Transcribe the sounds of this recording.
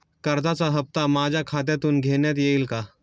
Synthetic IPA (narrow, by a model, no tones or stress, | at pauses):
kɐɾd̪asaɦɐp̚t̪amaːd͡ʒakʰaːd̪et̪unɡʱeːnet̪jeːɪlka